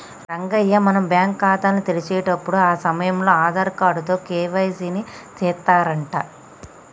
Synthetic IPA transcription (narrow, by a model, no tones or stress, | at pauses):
ɾɐŋɡɐjːɐmɐnɐmbjaːŋkːaːt̪aːnːit̪elit͡ʃɛːʈɐpːuɽuaːsɐmɐjɐmlo̞ːaːd̪ɐɾkaːɽut̪o̞ːkɛːʋɐjsinit̪ɛːt̪ːaːɾɐɳʈaː